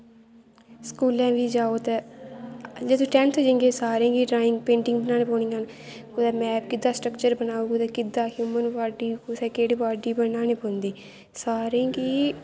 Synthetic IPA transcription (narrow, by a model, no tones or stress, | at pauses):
skuːlɛ̃ːʋiːd͡ʒaːoːt̪eː | d͡ʒed̪õːʈɛ̃ːnt̪ʰːd͡ʒẽːŋɡeːsaːɾẽːɡiːɖɾaːɪ̃ŋɡpẽːɳʈɪ̃ŋɡbənaːneːpoːɽĩŋan | kod̪aːmɛ̃ːbkɪd̪aːsʈɾəkt͡ʃəɾbənaːũːɡd̪eːkɪd̪aːɦjuːmənʋaːɖiːsɛːkeːɽipaːɾɖiːbənãːneːpõːnd̪iː | saːɾẽːɡiː